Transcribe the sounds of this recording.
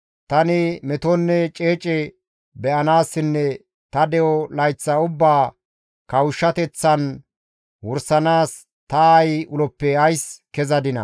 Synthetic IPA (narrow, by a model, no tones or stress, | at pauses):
t̪ɐnɪmɛt̪ɔnːɛt͡ʃʼe̞ːt͡ʃʼɛ | bɛʔɐnaːsːɪnːɛ | t̪ɐd̪ɛʔɔlɐjt͡sːɐʊbːaː | kɐwʊʃːɐt̪ɛt͡sːɐn | wɔɾsɐnaːs | t̪ɐːjʊlɔpːɛɐjskɛzɐd̪ɪnɐ̰